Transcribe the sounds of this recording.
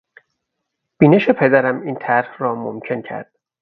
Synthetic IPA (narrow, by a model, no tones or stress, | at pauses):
b̥iːneʃe̞pʰe̞d̪æɾæmiːnt̪ʰæɾhrɒːmo̰mcʰe̞ncʰæ̰ɾd̪̥